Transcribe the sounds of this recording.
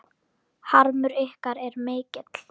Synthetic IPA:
haɾmʏɾɪhkaɾɛɾmeːcɪt̪l̥

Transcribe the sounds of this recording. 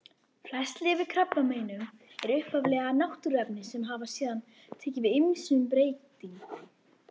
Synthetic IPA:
flɛst̪lɪvɪðkʰɾapːameːjnʏm | ɛɾʏhpavlɛːɣanawht̪ʏɾɛpnɪsɛmɦaːvḁsɛːðan | t̪ʰɛːcɪvɪðɪmsʏmp̬ɾeːjt̪iŋ

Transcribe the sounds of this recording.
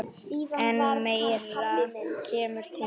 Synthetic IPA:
ɛnmejɛt̪acʰeːmʏɾ̥t̪ʰɪ

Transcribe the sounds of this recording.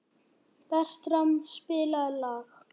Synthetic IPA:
pɛr̥t̪ɾamspɪːlalaːɣ

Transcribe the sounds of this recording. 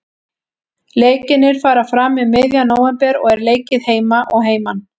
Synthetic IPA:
leːjcɪnːɪɾ̥faːɾaɾ̥fɾaːmɪðmɪðjanoːwɛmpɛɾɔ̰ɣɛɾleːjcɪðheːjmaʔɔɣɦeːjman

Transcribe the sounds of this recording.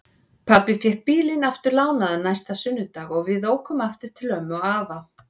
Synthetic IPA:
pʰapɪfjɛhpiːlinaft̪ʏɾlaːwnaðanajst̪asʏnːʏt̪aːɣɔɣvɪðoːwkʏmaft̪ɪɾ̥t̪ʰɪlœmɔɣaːva

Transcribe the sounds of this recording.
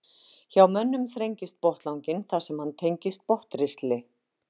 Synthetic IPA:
çawmœnːʏmθɾejɲcɪst̪̚pɔht̪lawɲcɪnθḁsɛmhant̪ʰejɲcɪst̪̚pɔht̪ɾɪst̪lɪ

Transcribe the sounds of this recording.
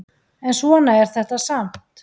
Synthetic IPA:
ɛnsvɔnaɛɾ̥θɛht̪asam̥t̪

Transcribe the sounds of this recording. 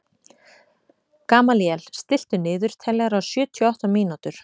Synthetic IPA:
kaːmaljɛl̥st̪ɪl̥t̪ʏnɪːðʏɾ̥t̪ʰɛlɛːɣaɾawsjʏːt̪ʰjɔaht̪amiːnat̪ʏɾ̥

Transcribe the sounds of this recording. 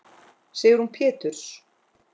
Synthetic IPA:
seːjɪɾ̥hunpʰɛːt̪ʏɾ̥s

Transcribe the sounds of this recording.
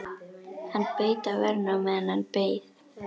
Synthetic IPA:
hanpejt̪avɛɾnamɛðɛnhanpeːjð

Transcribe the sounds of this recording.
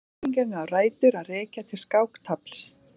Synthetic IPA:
iŋkanʏawraːjt̪ʏɾaðrɛːcat̪ʰɪlskaːwkt̪ʰapl̥s

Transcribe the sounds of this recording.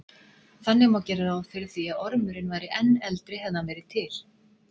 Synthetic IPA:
θanːɪmawcɛːɾɪɾawfɪɾɪ̥θiaðɔɾmʏɾɪnvaːjɾɪʔɛnːɛlt̪ɾɪhɛvðavɛːɾɪ̥t̪ʰɪl

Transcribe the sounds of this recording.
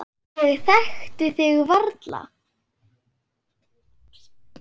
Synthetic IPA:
ɛɣθɛxt̪ʏθɪɣvaɾt̪la̰

